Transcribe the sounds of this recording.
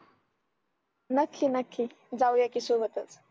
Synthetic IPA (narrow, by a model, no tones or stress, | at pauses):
nəkʰlinɐkʰːi | d͡zawjakisubət̪ət͡s